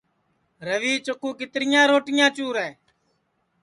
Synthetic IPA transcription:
ɾəʋiːt͡ʃʊkũːkɪt̪ɾɪjãːɾoːʈɪjãːt͡ʃuːɾɛː

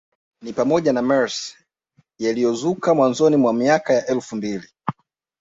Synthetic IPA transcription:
nipamɔʄanamɛɹs | jalijɔzukamwanzɔnimwamiakajaʔɛlfumbili

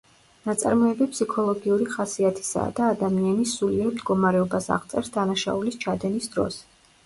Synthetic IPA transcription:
nat̪sʼa̰ɾmɔɛbipʰsikʰɔlˠɔɡiuɾiχasiat̪ʰi̥sa̰ːd̪aːd̪amianisuliɛɾimd̪ɡɔmaɾɛɔbasa̰ʁt̪sʼɛɾsd̪anaʃa̰ulist͡ʃʰad̪ɛnisd̪ɾɔ̰s

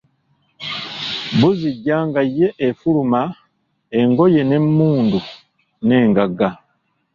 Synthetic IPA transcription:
buziɟːaːŋɡajːe̞ʔefuluma | e̞ŋɡo̞je̞ne̞mːuːndu | ne̞ːŋɡaɡa

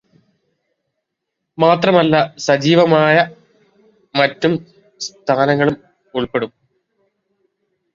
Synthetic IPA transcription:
maːt̪rɐmɐlːɐsɐd͡ʑiːʋɐmaːjɐ | mɐtːum | st̪ʰaːnɐŋːɐɭum | uɭpe̞ɽum

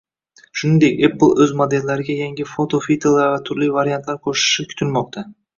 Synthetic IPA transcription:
ʃʊnɪnd̪e̞kʲepːɨlˠɵzmod̪elːaɾɪɡʲajaŋʲɪfot̪ʰofit̪ʰelˠːaɾvat̪ʰʊɾlijvaɾijant̪laɾkʰoʃɪ̥ʃɪkʲʰʊ̥t̪ʰɪlmɒq̚t̪ʰa

